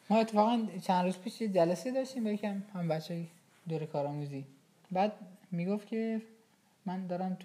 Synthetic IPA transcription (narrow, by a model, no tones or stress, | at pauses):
mɒːe̞t̪ʰːefɒːɣænt͡ʃʰænɾuːzpʰiːʃjed͡ʒælæsed̪ɒʃt̪iːmbejecʰæmhæmbætt͡ʃʰːɒːje | d̪oɾekʰɒːɾɒːmuːzi | bæːd̪̚miːɡoft̪cʰe | mænd̪ɒːɾæmt̪